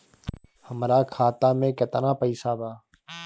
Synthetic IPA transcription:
həmɾaːkʰaːt̪aːmẽːkət̪ənãːpəiːsaːbaː

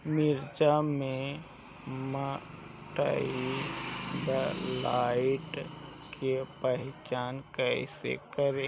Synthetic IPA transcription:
mɪɾd͡ʒame | mə | ʈə̰i | bəlaɪʈ | kʰepəɦɪt͡ʃaːnkəɪsḛkəɾe

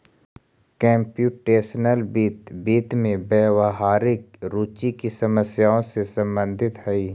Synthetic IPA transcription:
kɛ̃ːmpjuːʈeːsnəlbiːt̪biːt̪mẽbɛːwəɦaːɾɪk̚ɾuːt͡ʃikisɐməsjaːõsesə̃mbə̃nd̪ʱɪt̪ɦɛiː

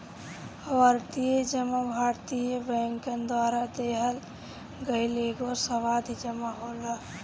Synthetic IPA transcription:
ʋaɾt̪ijed͡ʒəmabʱaːɾt̪ijebəŋkend̪waːɾad̪eɦəl | ɡəileɡosəʋaːd̪ʱid͡ʒəmaɦoːla

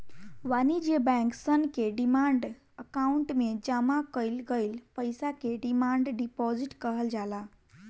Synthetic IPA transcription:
ʋanid͡ʒebɛ̃ŋksənkeɖimaɳɖ | əkauɳʈmed͡ʒamakəjlɡəjlpəjsakeɖimaɳɖɖipɔziʈkəɦəld͡ʒala

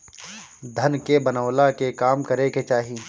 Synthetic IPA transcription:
d̪ʱɐnkebɐnəʋlakekaːmkɐɾeket͡ʃaːɦi

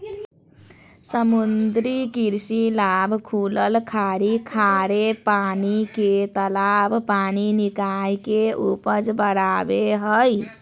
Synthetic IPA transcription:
səmund̪ɾikiɾsilabʱkʰuləlkʰaɾikʰaɾepaniket̪əlabʱpaninikajkeupəd͡ʒbəɽabeɦəj

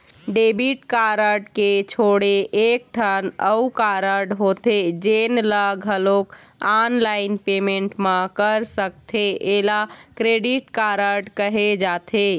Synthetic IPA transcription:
ɖebiʈkaɾəɾɖket͡ʃʰoɽeʔek̚ʈʰənəukaɾəɾɖɦot̪ed͡ʒenləɡʱəlok | anlaɪinpemeɳʈmãkəɾsəkt̪ʰeʔela | kɾeɖiʈkaɾəɖkəɦed͡ʒat̪ʰe

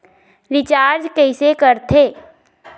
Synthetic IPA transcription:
ɾɪt͡ʃaːɾd͡ʒkɛɪsekəɾt̪ʰeː

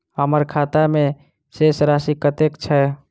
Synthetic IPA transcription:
ɦəməɾkʰat̪ame | sesɾasikət̪ekt͡ʃʰɛ

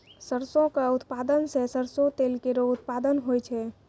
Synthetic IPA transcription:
səɾsõkaut̪pad̪ənsẽsəɾsõt̪elkeɾout̪̚pad̪ənɦojt͡ʃʰɛ

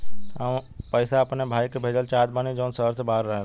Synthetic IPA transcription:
ɦəmpəɪsaɐpnebʱaːikebʱed͡ʒəlt͡ʃaːd̪baːnid͡ʒəːnsəɾsebʱaːɾːəɦe

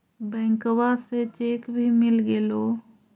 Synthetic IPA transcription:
bɛ̃ːŋkowaset͡ʃekbʱimɪlɡelo

